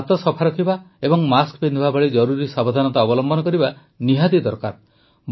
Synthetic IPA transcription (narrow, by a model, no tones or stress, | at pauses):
t̪ɔsɔpʰaɾɔkʰiba | ebɔŋmaskpend̪ibabɔɭid͡ʒɔɾuɾisabɔd̪ʱanɔt̪aɔbɔlɔmbɔnɔkɔɾiba | niɦad̪id̪ɔɾkaɾ